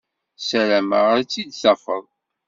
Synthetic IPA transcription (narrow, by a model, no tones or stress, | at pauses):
sæɾæmaʁəɾt͡sːid̪sɑfəðˤ